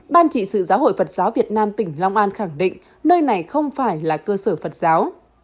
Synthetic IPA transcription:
ɓaː˧nt͡ɕḭ˧˨sɨ̰˧˨zaː˨˦wɦo̰˧˨jfə˨˩t̚z̥aː˨˦wvi˨˩ət̚naː˧mt̪ï˧˩ŋ̟lɔ˧wŋ͡mʔaː˧nxa˧˩ŋɗḭ̈˧˨ŋ̟ | nəː˧jna˨˩jxə˧wŋ͡mfaː˧˩jlaː˨˩kəː˧səː˧˩fə˨˩t̚z̥aː˨˦w

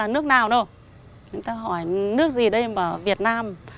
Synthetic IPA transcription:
aː˨˩nɨ˦˥ək̚naː˨˩wɗo˧˩ | t͡ɕʊ˨˦ŋ͡mt̪aː˧ɦɔ˧˩jnɨ˦˥ək̚zi˨˩ɗə˧jməː˧˩vi˨˩ət̚naː˧m

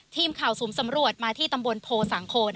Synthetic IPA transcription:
t̪ʰiː˧˩mkʰa˨˩wsuː˩˦msa˩˦mɾu˨˩ət̪̚maː˧t̪ʰiː˥˩t̪a˧mbo˧npʰoː˧sa˩˦ŋkʰoː˧n

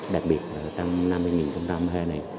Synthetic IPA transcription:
ɗa˨˩k̚ɓi˨˩ət̚laː˨˩t͡ɕɔ˧wŋ͡mna˧mːɨ˧jŋi˨˩nxə˧wŋ͡mt͡ɕa˧mhəː˧na˨˩j

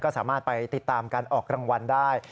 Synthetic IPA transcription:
kɔː˥˩saː˩˦maː˥˩t̪̚pa˧jt̪i˨˩t̪ːaː˧mkaː˧nʔɔː˨˩kɾa˧ŋwa˧ndaː˥˩j

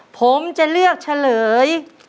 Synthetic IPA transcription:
pʰo˩˦mt͡ɕa˧lɯ˥˩ək̚t͡ɕʰa˧lɤː˩˦j

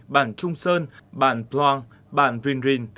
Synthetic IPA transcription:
ɓaː˧˩nt͡ɕʊ˧ŋ͡msəː˧nɓaː˧˩˨nplwaː˧ŋ | ɓa̰ː˧˩˨nvwi˧nzi˧n

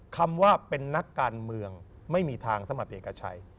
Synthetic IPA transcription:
kʰa˧mwaː˥˩pe˧nːa˦˥kːaː˧nmɯ˧əŋ | ma˥˩jmiː˧t̪ʰaː˧ŋsa˧˦ma˨˩p̪ʔeː˨˩ka˧t͡ɕʰa̰˧j

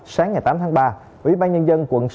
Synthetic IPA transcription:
saː˨˦ŋːaː˨˩jt̪aː˨˦mt̪ʰaː˨˦ŋɓaː˧ | ʔwḭ˧˩ɓaː˧nɲə˧nzə˧nkwə̰˧˨ns

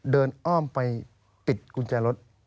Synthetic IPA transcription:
dɤː˧nʔɔː˥˩mpa˧j | pi˨˩t̪̚kʰu˧nt͡ɕaː˧lo˦˥t̪̚

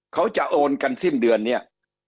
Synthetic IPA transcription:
kʰa˦˥wt͡ɕa˨˩ʔoː˧nka˧nsi˥˩ndɯ˧ənːi˥˩ɐ

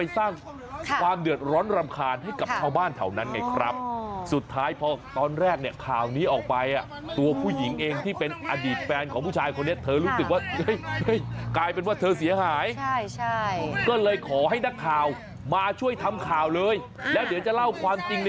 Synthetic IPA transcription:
a˧jsaː˥˩ŋ | kkʰwaː˧mdɯ˨˩ət̪̚ɾɔː˦˥nɾa˧mkʰaː˧nɦa˥˩jka˨˩p̚t͡ɕʰaː˧˩wbaː˥˩nt̪ʰa̰˩wna˦˥nŋa˧jkʰɾa˦˥p̚su˨˩t̪ʰːaː˦˥jpʰɔː˧t̪ɔː˧nɾɛː˥˩k̚ni˥˩ɐkʰaː˨˩wniː˦˥ʔɔː˨˩k̚pa˧jʔa˨˩ | t̪u˧ɐpʰuː˥˩ji˩˦ŋʔeː˧ŋt̪ʰiː˥˩pe˧nʔa˧diː˨˩t̪̚fɛː˧nkʰɔː˩˦ŋpʰuː˥˩t͡ɕʰaː˧jkʰo˧nːi˥ɐt̪ʰɤː˧ɾuː˦˥sɯ˨˩k̚waː˥˩˥jə˥˩jklaː˧jpe˧nwaː˥˩t̪ʰɤː˧si˨˦ɐɦaː˩˦jʰ | kɔː˥˩lɤː˧jkʰɔː˩˦ɦa˥˩jna˦˥kʰːaː˨˩w | maː˧t͡ɕʰu˥˩əjt̪ʰa˧mkʰaː˨˩wlɤː˧j | lɛː˦˥wnɯ˨˩˦t͡ɕa˨˩la˥˩wkʰwaː˧mt͡ɕi˧ŋn

